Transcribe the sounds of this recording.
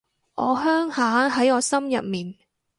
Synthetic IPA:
ʔɔː˨˧ɦœː˥ŋhaː˨˥ɦɐ˨˥jɔː˨˧sɐ˥mjɐ˨p̚miː˨n

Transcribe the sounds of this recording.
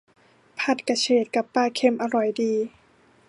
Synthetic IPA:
pʰa˨˧˩t̪̚ka˧t͡ɕʰeː˨˩t̪̚ka˨˩pːaː˧˩kʰe˧˩mʔa˧ɾɔ˨˩jdiː˧

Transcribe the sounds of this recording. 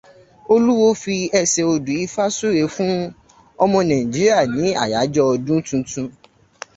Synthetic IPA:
o˧lu˦wo˦fi˧ɛ˧se˧o˧dũ˨i˧fa˦su˦ɾe˨˦fũ˦ | ɔ˧mɔ̃˧nã˨ĩ˨d͡ʒi˨˦ɾi˦a˦˨nĩ˨˦a̰˦˨ja˨˦d͡ʒɔ˦ɔ˧dũ˦tũ˧tũ˧

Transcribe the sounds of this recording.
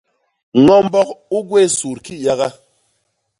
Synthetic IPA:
ŋɔ˦m˦bɔ˦ku˦ɡwe˦˨su˨ɾki˦ja˦ɣa˦

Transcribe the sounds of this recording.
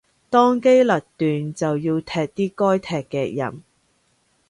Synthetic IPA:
t̪ɔː˥ŋke˥jlɐ˨t̚t̪yː˨nt͡sɐ˨wjiː˧wt̪ʰɛː˧k̚t̪iː˥kɔː˥jt̪ʰɛː˨kːɛː˧k̚jɐ̰˨˩n

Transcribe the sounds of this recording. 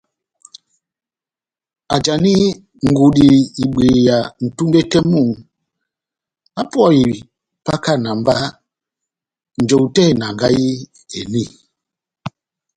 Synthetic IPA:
a̰˨d͡ʒa˨ni˦ | ŋ̩˨ɡu˨ɗi˨i˨ɓe˨ja˨n̩˨tu˦ŋɡe˦kɛ˦mu˦˨ | a˦pwɔ˦˨i˨ | pa˦ka˦˨na˨m˦ba˦ | n̩˨d͡ʒo˨wtɛ˦˨na˨ŋɡa˦ji˦ | e˨ni˦˨

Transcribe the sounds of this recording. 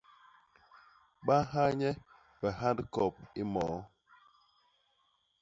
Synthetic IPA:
ɓa˦ha˦ɲɛ˦ | bɛ˨ɦa˦dkɔ˨p̚i˦mɔː˨˦

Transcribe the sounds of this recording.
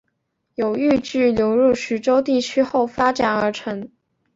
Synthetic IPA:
jo˨˩ʊy˥˧t͡ɕy˥˩ljo˧˥ʊɻu˥˩ɕ̩˧˥ʈ͡ʂo˥ʊt̪i˥˩t͡ɕʰy˥xo˥˩ʊfa˥ʈ͡ʂa˨˩˦nə˞˧˥ʈ͡ʂʰɤ˧˥ŋ

